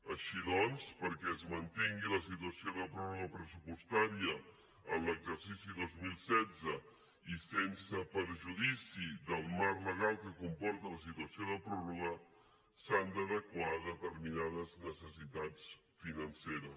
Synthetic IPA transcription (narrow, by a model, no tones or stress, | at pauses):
əʃiðɔnspəɾkɛəzmənt̪iŋɡiləs̬it̪uəsioðəpɾɔruɣəpɾəsupust̪aɾiə | ə̰mləɡzəɾsisiðozmilˠsɛd͡zə | isensəpəɾʒuðisiðəlˠmarləɣ̞alˠkəkumpɔɾt̪ələs̬it̪wəsioðəpɾɔruɣə | sand̪əðəkwaðət̪əɾminaðəznəsəsit̪at͡s | finənseɾə